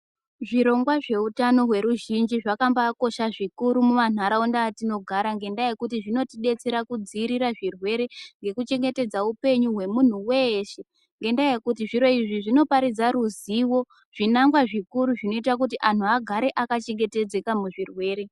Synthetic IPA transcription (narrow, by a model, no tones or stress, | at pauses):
ʐiɾo̞ŋɡwaʐe̞utano̞ɦwe̞ɾuʒind͡ʒiʐakambaːko̞ʃaʐikuɾumuman̤aɾaundaːtino̞ɡʱaɾaŋɡe̞ndaje̞kutiʐino̞tiɗe̞t͡se̞ɾakud͡ziːɾiɾaʐirwe̞ɾe̞ŋɡe̞kut͡ʃe̞ŋɡe̞te̞d͡zaupe̞ɲuɦwe̞mun̤uwe̞ʃe̞ | ŋɡe̞ndaje̞kutiʐiɾo̞iʐiʐino̞paɾid͡zaɾuziwo̞ | ʐ̥inaŋɡwaʐikuɾuʐino̞itak̬ut̬iʔan̤uaɡʱaɾe̞ʔakat͡ʃe̞ŋɡe̞te̞d͡ze̞kamuʐirwe̞ːɾe̞